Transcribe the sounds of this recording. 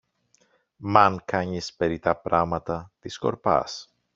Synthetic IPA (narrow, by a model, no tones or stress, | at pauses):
mɐŋkɐɲispeɾit̪ɐpɾɐmɐt̪ɐt̪isko̞̰ɾpɐ̰s